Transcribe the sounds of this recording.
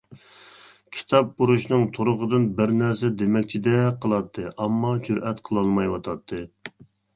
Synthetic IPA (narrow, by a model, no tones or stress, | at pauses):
kʲʰi̥t̪ʰɑp̚buɾuʃnɨŋt̪ʰoɾʊʁəd̪ɨnbɪɾnæɾsɛd̪emɛkʲt͡ʃʰid̪ɛqʰəlˠɑt̪ʰːɨʔɑmːɑd͡ʒʰyɾʔɛt̪qʰəlˠɑlˠmɑjwɑt̪ʰɑt̪ʰːɨ